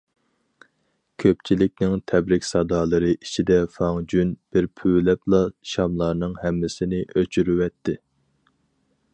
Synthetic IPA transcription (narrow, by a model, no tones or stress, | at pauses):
kʲʰøp̚t͡ʃʰilɪk̚ʲnɪŋt̪ʰɛbɾɪkʲsɑd̪ɑːlˠɨɾɨʔit͡ʃʰid̪ɛfɑŋd͡ʒynb̥ɪɾpʰylɛplˠɑʃɑmlˠɑɾnɨŋhɛmːɪsɪnɪʔøt͡ʃʰyɾywɛt̪ʰːɪ